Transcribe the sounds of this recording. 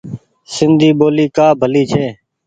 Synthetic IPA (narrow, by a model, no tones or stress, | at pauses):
sɪnd̪ʱiːɓoːliːkaːbʱəliːt͡ʃʰeː